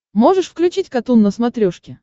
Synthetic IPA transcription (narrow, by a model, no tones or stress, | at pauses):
moʐɨʂfklʲʉt͡ɕitʲkɐt̪unːəsmɐt̪ɾʲoʂkʲɪ